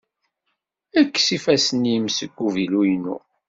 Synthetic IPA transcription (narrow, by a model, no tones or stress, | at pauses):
ækːsifæsənjimsəɡːuvilujənṵ